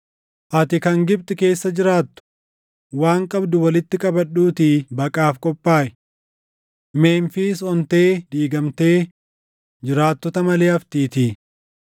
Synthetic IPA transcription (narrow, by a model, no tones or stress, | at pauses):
ʔɐt̪ɪkɐŋɡɪb̚t̪ʼɪke̞ːsːɐd͡ʒɪɾaːt̪ːʊ̥ | waːŋkʼɐbd̪ʊwɐlɪt̪ːɪkʼɐbɐɗːuːt̪ibɐkʼaːfkʼɔpʼːaːʔɛ̥ | me̞ːnfɪsɔnt̪e̞ːd̪iːɡɐmt̪e̞ː | d͡ʒɪɾaːt̪ːɔt̪ɐmɐleːɐft̪iːt̪iː